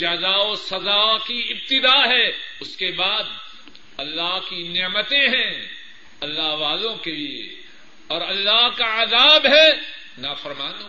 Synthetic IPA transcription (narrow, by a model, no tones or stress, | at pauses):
d͡ʒaːzaːosɐzakiɪb̚t̪ɪd̪aːɦɛʊskebaːd̪ | ɐlːaɦkinɪmət̪ẽɦɛ̃ | ɐlːaɦʋaːlõkeliḛ | ɔːɾɐlːaɦkaɐzaːbɦɛ | nafɐɾmaːnoː